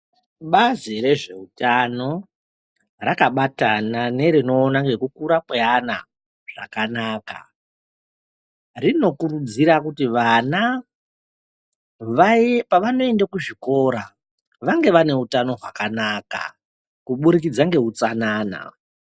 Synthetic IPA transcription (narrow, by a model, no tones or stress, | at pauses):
ɓaziɾe̞ʐe̞utano̞ | rakaɓatanane̞ɾino̞ːnaŋɡe̞kukuɾakweana̰ | ʐ̥a̰kanaːka̰ | rino̞kurud͡ziɾakutiʋana | ʋapaʋano̞e̞ndakuʐiko̞ɾa | ʋaŋɡe̞ʋane̞utano̞ɦwakanaːka̰ | kuɓuɾik̬id͡zaŋɡe̞ɦut͡sanaːna̰